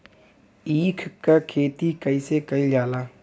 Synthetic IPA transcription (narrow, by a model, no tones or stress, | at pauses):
iːkʰkakʰeːt̪ikəĩːsekəĩd͡ʒaːlaː